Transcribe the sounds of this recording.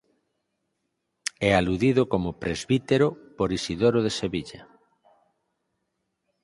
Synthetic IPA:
ɛaluðiðokomopɾezβit̪eɾopoɾisiðoɾoð̞eseβiʎa

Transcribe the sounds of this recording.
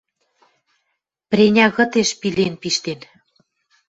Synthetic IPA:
pɾʲenʲɑɣɤ̆t̪eʃpilenpiʃt̪en

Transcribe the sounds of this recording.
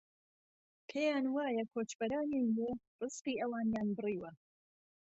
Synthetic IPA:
kʰejaːnwaːjɐkʰoːt͡ʃbɐɾaːnenle | rɨsqiːʔɐwaːnjaːnbɨriːwɐ

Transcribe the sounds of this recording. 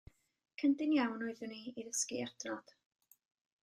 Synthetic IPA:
kʰəndɪnjawnɔɨðʊniiðəskiɛrdnɔd̥

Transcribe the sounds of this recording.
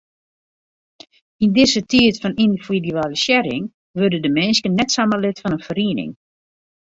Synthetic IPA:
indɪzətʰiətfɔnindividyaːləsjɛɾɪ̰ŋ | ʋørdədəmɛnskənːɛtsaməlɪtfɔnənfəriənɪ̰ŋ

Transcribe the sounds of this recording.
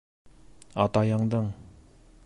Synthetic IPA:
at̪ajaŋd̪aŋ

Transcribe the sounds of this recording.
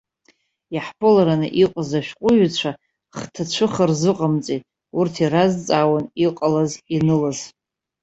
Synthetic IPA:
jaħpʰolaɾanɨʔiqʷʼazaʃᶣqʷʼʊɥt͡ɕʷʰa | χtʰat͡ɕʷʰɨχərzɨqʼamt͡sʼi | urtʰirazt͡sʼawaniqʼalazinɨlaz

